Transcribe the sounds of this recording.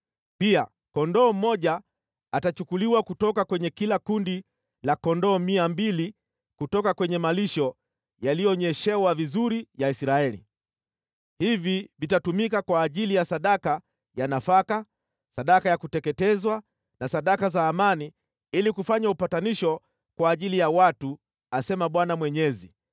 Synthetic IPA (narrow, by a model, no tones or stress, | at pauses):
pia | kɔndɔːm̩mɔʄa | atat͡ʃukuliwakutɔkakwɛɲɛkilakundi | lakɔndɔːmiambili | kutɔkakwɛɲɛmaliʃɔ | jalijɔɲɛʃɛwavizuɾijaisɾaɛlḭ | hivivitatumikakwaːʄilijasaɗaka | janafaka | saɗakajakutɛkɛtɛzwa | nasaɗakazaːmani | ilikufaɲaupataniʃɔ | kwaːʄilijawatu | asɛmaɓwanamwɛɲɛzi